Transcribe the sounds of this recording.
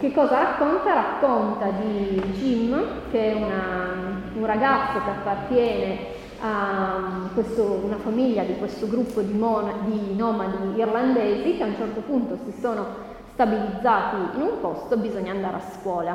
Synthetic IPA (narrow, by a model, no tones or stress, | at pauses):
k̟ekːɔːzaɾakːont̪aɾakːont̪ad̪id͡ʒimː | keɛuna | unraɡat̪sːokeapːart̪jɛːne | a | kwest̪ounafamiʎːad̪ikwest̪oɡɾupːod̪imɔad̪inɔːmad̪iːrland̪ɛːzikeaunt͡ʃɛrt̪opunt̪osisoːno | st̪abilid̪zːaːt̪iːnumpost̪obizoɲːaːnd̪aːɾḛaskwɔːla